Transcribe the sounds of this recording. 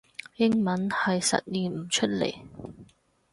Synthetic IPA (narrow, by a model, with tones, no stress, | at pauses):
jɪ˥ŋmɐ˨˥nhɐ˨jsɐ̰˨t̚liː˨m̩˨˩t͡ʃʰɵ˥t̚lḛ˨˩j